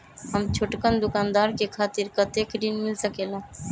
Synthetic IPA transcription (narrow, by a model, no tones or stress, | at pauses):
ɦəmt͡ʃʰoʈkənd̪ʊkaːnd̪aɾkekʰaːt̪iɾkət̪ekɖ̪inmilsəkelã